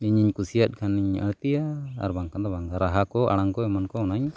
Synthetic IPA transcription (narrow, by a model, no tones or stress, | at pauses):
iɲiɲkusijat̪̚ˀkʰaniɲə̰ɽt̪ija̰ːɾbaŋkand̪abaŋɡaɾaɦakɔʔa̰ɽ̃aŋkɔɛmankɔɔnaɲ